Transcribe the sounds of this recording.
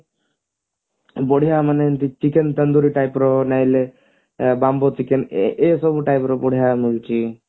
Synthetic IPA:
boɽ̤ijamənent̪it͡ʃikent̪ənd̪uɾiʈajpɾonaile | bambot͡ʃikenʔesobʈajpɾɔbɔɽ̤ijamult͡ʃi

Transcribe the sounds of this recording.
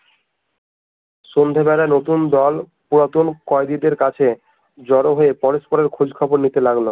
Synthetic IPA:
ʃond̪ʱebɛlanot̪und̪ɔl | puɾat̪unkɔed̪id̪eɾkat͡ɕʰe | d͡ʑɔɾoɦoepɔɾospoɾeɾkʰud͡ʑkʰɔboɾnit̪elaɡlo

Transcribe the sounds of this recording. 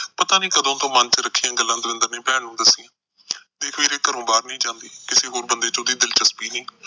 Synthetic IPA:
pət̪aːnĩːkəd̪õːt̪õːmə̃nt͡ʃɾəkʰːiːjãːɡəlːãːd̪ʋɪ̃nd̪əɾnẽːpɛːɳõːd̪əsɪːãː | d̪eːkʰʋeːɾeːkəɾõːbaːɾnəĩːd͡ʒãːnd̪iːkɪseːɦoːɾbənd̪eːt͡ʃõːd̪iːd̪ɪlt͡ʃəspiːnĩː

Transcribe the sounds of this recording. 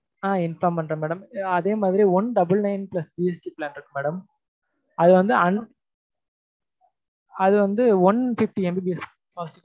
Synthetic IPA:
aːɪnfaːmpɐɳɖɾɐ̃meːɽɐmɐðeːmaːðɪɾiɔnɖɐbɯlnɐɪnplɐsd͡ʒiːɛsʈiplaːnɪɾɯkːɯmeːɽɐm | ɐðɯʋɐnd̪ɯɐn | ɐðɯʋɐnd̪ɯɐnfɪfʈiɛmbibiɛs | os

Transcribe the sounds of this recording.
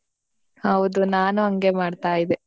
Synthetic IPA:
hɐʋud̪unaːnuɐŋɡe̞maːɖt̪aːjid̪e

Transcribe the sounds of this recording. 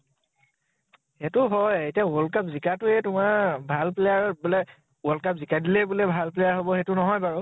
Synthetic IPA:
xɛtʊɦɔjetijawɔlkapzikatʊɛtʊmaɹbʱalplɛjaɹbulɛ | wɔlkapzikadilɛbʊlɛbʱalplejaɹɦobɔxetʊnɔɦɔjbaɹɔ

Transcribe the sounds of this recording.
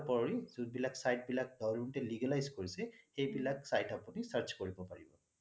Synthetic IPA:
pɔɹizud̚bilaksajt̚bilak̚dɔwluntɛliɡalajzkoɹisɛxejbilaksajtapunisaɹt͡ʃkoɹibɔpaɹibɔ

